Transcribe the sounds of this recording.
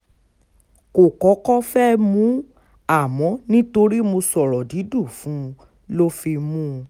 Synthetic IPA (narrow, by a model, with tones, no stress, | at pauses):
ko˨kɔ˨˦kɔ˦fɛ˦mũ˨˦ | a˦˨mɔ̃˨˦nĩ˦to˧ɾi˦mo˧sɔ˨ɾɔ˨di˨˦du˦˨fũ˨˦ | lo˦fi˧mũ˦˧